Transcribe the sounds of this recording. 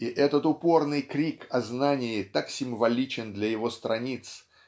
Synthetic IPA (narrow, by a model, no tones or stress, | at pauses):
ɪʔɛt̪ət̪ʊpo̞rnɨjkɾʲikɐznanʲɪɪt̪aksʲɪmvɐlʲit͡ɕɪnd̪lʲɐjɪvo̞st̪ɾɐnʲit̪s